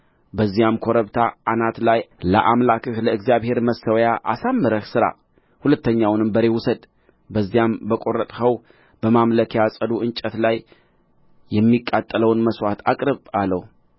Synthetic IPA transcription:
bəzːijamkʰo̞ɾəβt̪ʰaʔːnat̪lajlə̰ʔamlakʰɨhləɨɡzijaβhe̞ɾməsəwjaʔasamːɨɾəhsɨɾa̰ | hulət̪ːəɲːawnɨmbəɾe̞wʊsəd̪ | bəzːijambəkʼo̞ɾət̪ʼhəw | b̥əmamləkʰjasʼəd̪uɨnt͡ʃʼːət̪laj | jɛmːikʼːat̪ʼːələwnməswat̪ʰakʼɾɨβaləw

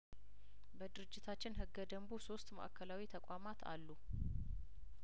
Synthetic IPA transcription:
bəd̪ɨɾɨd͡ʒːɪt̪ʰat͡ʃːɪnɦɨɡːəd̪əmbuso̞st̪mə̰ʔakʰːəlawit̪ʰəkʷʼamat̪ʰa̰lːu

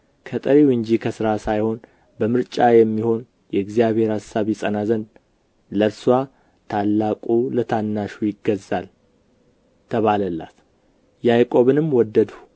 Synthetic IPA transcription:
kʰət̪ʼəɾiwɨɲd͡ʒikʰəsɨɾasajho̞n | bəmɨɾt͡ʃʼajɛmːiho̞n | jɛɨɡzijaβhe̞ɾhasːaβisʼənazən | ləɾsuwa | t̪ʰalːakʼulət̪ʰanːaʃujɪɡəzːal | t̪ʰəβaləlːa̰t̪ | jajkʼo̞βɨnɨmwɔd̪ːəd̪u̥

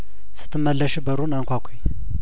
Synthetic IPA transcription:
sɨ̥t̪ʰːɨmːəlːəʃɛbəɾunaŋkʷakʷʰej

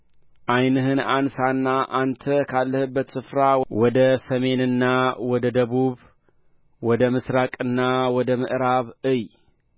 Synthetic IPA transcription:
ʔajnɨɦɨnansanːaʔant̪ʰəkʰalːəhɨbːət̪sɨfɾawɔd̪ɐsɐme̞nɨnːawɔd̪əd̪ɐβuβ | wɔd̪əmɨsɾakʼɨnːawɔd̪əmɨʔɾaβɨj

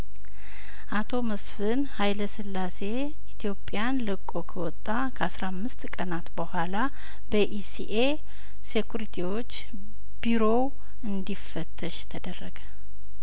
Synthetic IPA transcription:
ʔat̪ʰo̞məsfɨnhajləsɨlːase̞ | it̪ʰijo̞pʼːjanlɨkʼːo̞kʰəwɔt̪ʼːakʰəasɾamːɨst̪kʼənat̪bəhʷala | bəʔisiʔe | sekuɾit̪ʰiwo̞t͡ʃː | b̥iɾo̞w | ɨnd̪ifːət̪ʰːəʃt̪ʰəd̪ərːəɡə

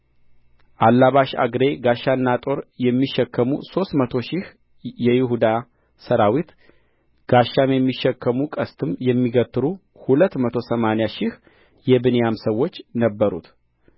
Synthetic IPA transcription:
ʔalːaβaʃa̰ɡɾe̞ɡaʃːanːat̪ʼo̞ɾjɛmːiʃːɛkːəmṵso̞st̪mət̪ʰo̞ʃɪh | jɛjɪɦud̪a | səɾawit̪ | ɡ̥aʃːamjɛmːiʃːɛkːəmukʼəst̪ʰɨmjɛmːiɡət̪ʼːɨɾu | hulət̪ːmət̪ʰosəmanejaʃɪh | jɛbɨnejamsəwːo̞t͡ʃːnəbːəɾṵt̪

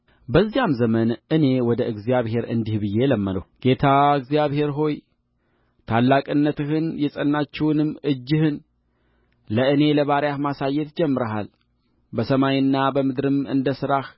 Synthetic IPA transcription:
bəzːijamzəmənʔɨne̞wɔd̪əʔɨɡzijaβhe̞ɾɨ̰nd̪ihbɨjːe̞ləmːəd̪ə̰wɡ̥e̞t̪ʰaɨɡzijaβhe̞ɾɦo̞j | t̪ʰalːakʼɨnːət̪ɨhɨnjɛsʼənːat͡ʃːɛwnɨmːɨd͡ʒːɨhɨn | ləɨne̞ləβaɾjahmasajːɛt̪d͡ʒɛmːɨɾəɦa̰l | bəsəmajɨnːabəmɨd̪ɾɨmɨ̰nd̪əsɨɾah

